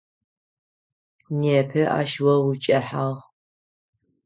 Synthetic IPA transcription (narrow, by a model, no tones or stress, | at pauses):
neːpʰɨʔa̰ːʃwɐwut͡ʃʼɐħaʁ